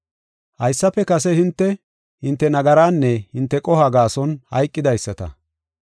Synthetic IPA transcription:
hɐjsːɐpːɛkɐsɛhɪnt̪ːɛ | hɪnt̪ːɛnɐɡɐɾaːnːɛhɪnt̪ːɛkʼɔhɐɡaːsɔnhɐjkʼːɪd̪ɐjsːɐt̪ɐ̰

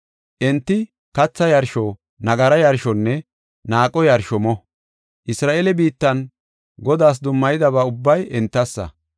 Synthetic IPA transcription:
ʔɛnt̪ːɪ | kɐt͡sːɐjɐɾʃɔ | nɐɡɐɾɐjɐɾʃɔnːɛ | naːkʼɔjɐɾʃɔmɔ | ʔɪsɾaːʔeːlɛbiːt̪ːɐn | ɡɔd̪aːs̬d̪ʊmːɐjɪd̪ɐβaːʊbːɐjɛnt̪ːɐsːɐ̰

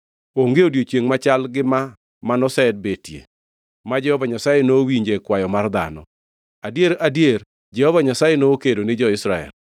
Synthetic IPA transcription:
oŋɡeodjot͡ʃjeŋmat͡ʃalɡɪma | manɔsɛd̚betjḛ | mad͡ʒɛhɔvaɲasajenowiɲd͡ʒekwajɔmard̪a̰nɔ̰ | adjeɾadjeɾ | d͡ʒɛhɔvaɲasajenokedonɪd͡ʒɔɪsɾaɛ̰l

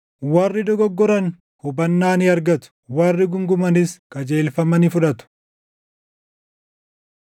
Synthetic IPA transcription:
wɐrːɪd̪ɔɡɔɡːɔɾɐn | hʊbɐnːaːnɪɐɾɡɐt̪ʊ̥wɐrːɪɡʊŋɡʊmɐnɪskɐd͡ʒe̞ːlfɐmɐnɪfʊᶑɐt̪ʊ̥

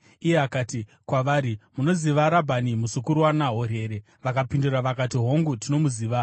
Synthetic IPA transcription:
ije̞akaːti | kwaʋaɾimuno̞ziʋaɾabʱanimusukuɾuwanaɦo̞re̞ːɾe̞ | ʋakapinduraʋakatiɦo̞ŋɡutino̞muziːʋa

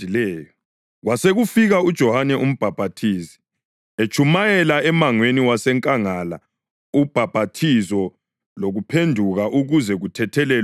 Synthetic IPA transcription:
ilɛːjɔ | ɣwaseɣufiɣaud̥ʒ̥ʱɔhanɛʔum̩b̥ʱab̥ʱatʰiːsi̥ | et͡ʃʰʼumajɛlaɛmaŋweniwasɛŋkʼaŋala̰ | ub̥ʱab̥ʱatʰizɔ | loɣupʰendʱuɣaʔuɣuzɛɣutʰɛtʰɛlɛl

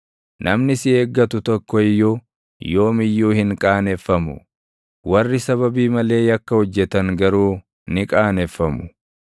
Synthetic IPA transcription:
nʔɐmnɪsɪeːɡːɐt̪ʊt̪ɔkːɔɪjːoː | jo̞ːmɪjːuːhɪŋkʼaːnɛfːɐmʊ̰ | wɐrːɪsɐβɐbiːmɐle̞ːjɐkːɐhɔd͡ʒːɛt̪ɐŋɡɐɾuː | nɪkʼaːnɛfːɐmʊ̥

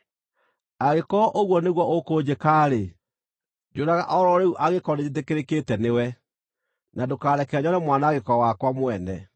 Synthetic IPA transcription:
aɣekɔʔoɣwɔneɣwɔʔokoːd͡ʑekaːɾe | d͡ʒoɾaɣaʔɔɾɔɾeuʔaɣekɔned͡ʑet̬ekeɾekeːtɛnewɛ | nadokaːɾɛkɛaɲɔɾɛmwanaːɣekɔwakwamwɛnɛ

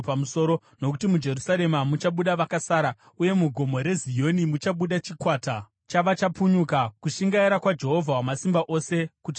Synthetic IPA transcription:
pamuso̞ɾo | no̞kutimud͡ʒe̞rusaɾe̞mamut͡ʃaɓuɗaʋakasaːɾa | uje̞muɡʱo̞mo̞ɾe̞zijo̞nimut͡ʃaɓuɗat͡ʃikwaːta | t͡ʃaʋat͡ʃapuɲukakuʃiŋɡaiɾakwad͡ʒe̞ɦo̞vʱawamasimbaʔo̞se̞kuti

